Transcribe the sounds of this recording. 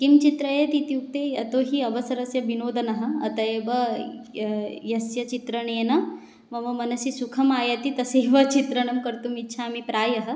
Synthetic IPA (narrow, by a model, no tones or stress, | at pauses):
kimt͡ʃit̪ɾɐjɐt̪it̪juk̚t̪eːɐt̪oːɦiɐbɐsɐɾɐsjɐbinoːd̪ʱɐnɐɦɐ̆ɐt̪ɐjebɐ | jɐsjɐt͡ʃit̪ɾɐɳ̃eːnɐ | mɐʋɐmɐnɐsisukʰɐmaːjɐt̪it̪ɐseːʋɐt͡ʃit̪ɾɐɳɐmkɐɾt̪umitːʃʰaːmipɾaːjɐɦɐ̆